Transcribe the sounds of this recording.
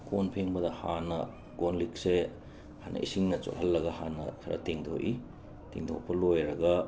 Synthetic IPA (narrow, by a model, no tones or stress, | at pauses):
konpʰeŋbɐdɐhanɐ | ɡonlik̚se | hanɐ̰ʔḭsiŋnɐt͡ʃo̰ʔhɐlːɐɡɐhanɐ̰kʰɐɾɐ̰teŋdʰo̰ʔi | teŋd̪ʰopʰɐlojɾɐɡɐ